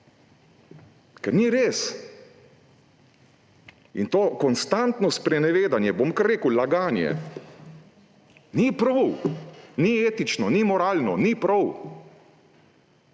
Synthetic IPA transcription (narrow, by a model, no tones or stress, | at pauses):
kɛɾniɾeːs | ḭnt̪oːkɔnst̪ant̪nɔspɾɛnɛʋeːd̪anjɛbomkaɾːeːkəwlaɡaːnjɛ̰ | nipɾɔwnieːt̪it͡ʃnɔnimɔɾaːlnɔnipɾɔw